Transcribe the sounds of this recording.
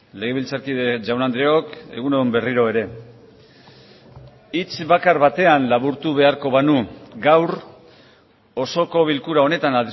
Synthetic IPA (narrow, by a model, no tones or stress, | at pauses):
le̞ɣ̞e̞βilt͡saɾkiðe̞d͡ʒawnand̪ɾeo̞ke̞̰ɣ̞uneðumbe̞riɾo̞e̞ɾe̞ | it͡sβakaɾβat̪e̞anlaβuɾt̪uβe̞aɾko̞βanuɡawɾ | o̞so̞ko̞β̞ilkuɾao̞ne̞t̪anal